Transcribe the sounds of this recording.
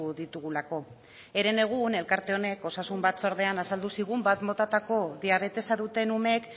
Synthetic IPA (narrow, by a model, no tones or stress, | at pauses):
ðit̪uɣulako̞ | e̞ɾe̞ne̞ɣ̞une̞lkaɾt̪e̞o̞ne̞ko̞sasumbat̪soɾðe̞anasald̪usiɣ̞umbat̪mo̞t̪at̪ako̞ðiaβ̞e̞t̪e̞saðut̪e̞nume̞k